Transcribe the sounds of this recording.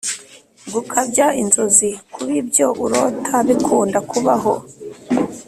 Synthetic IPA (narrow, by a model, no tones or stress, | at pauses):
ɡukʰabɟainzozikʰuβibɟo̞ʔuɾoːtʰaβikʰuːndakuβaɦo̞̰